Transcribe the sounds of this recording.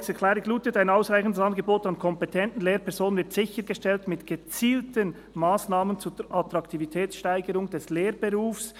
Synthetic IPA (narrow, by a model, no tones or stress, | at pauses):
sɛkʰlɛːɾɪɡluːtətaɪnaʊsʁaɪçn̩dəsɑnɡəboːtɑnkʰɔmpɛtʰɛntn̩leːɾpʰɛɐɾzoːnənvɪɾtz̥ɪçəɾɡ̥əʃtɛltmɪtɡ̥ət͡siːltən | maːsnaːmənt͡suʔɑtʁɑktʰivitʰɛːt͡sʃtaɪɡəɾʊŋd̥ɛsleːɾb̥eʁuːfs